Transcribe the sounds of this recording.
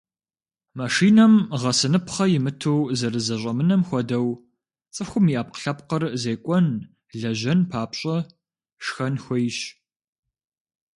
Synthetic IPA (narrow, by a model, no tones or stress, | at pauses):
maʂiːnɐmʁɐsɨnɨpʰχɐjɪmɨtʰowzɐɾɨzɐɕʷʼɐmɨnɐmxʷɔdɐw | t͡sʼɨxʷʊmiaːp̚qə̥ɬɐpqərzeːkʷʼɔn | ɮɐʑɐnpʰaːpɕʼɐ | ʂxɐnxʷɔjɕ